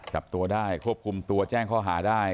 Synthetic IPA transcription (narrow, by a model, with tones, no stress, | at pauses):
t͡ɕa˨˩p̚t̪u˧ɐdaː˥˩jkʰu˥˩əp̚kʰu˧mt̪u˧ɐt͡ɕɛː˥˩ŋkʰɔː˥˩ɦaː˩˦daː˥˩j